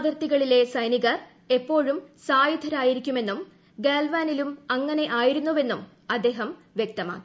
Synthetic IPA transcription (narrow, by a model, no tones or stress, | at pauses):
ʋɐrt̪iɣɐɭile̞sɐjniɣɐr | e̞pːo̞ːɻumsaːjid̪ʱɐɾaːjiɾikʲːume̞nːum | ɡeːlʋaːnilumɐŋːɐne̞ʔaːjiɾunːuʋe̞nːum | ɐd̪ːe̞ːɦɐm | ʋjek̚t̪ɐma̰ːi